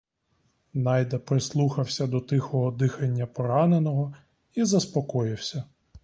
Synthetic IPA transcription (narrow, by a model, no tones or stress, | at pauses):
nɑjd̪ɐpɾɪslˠuxɐwsʲɐd̪ɔt̪ɪxɔɦɔd̪ɪxɐnʲːɐpɔɾɑnenɔɦɔ | izɐspɔkɔjɪwsʲɐ